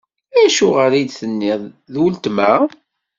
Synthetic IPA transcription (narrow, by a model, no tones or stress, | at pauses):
æʃʊʁəɾid̪θənːɪð | ðwəlt̪mæ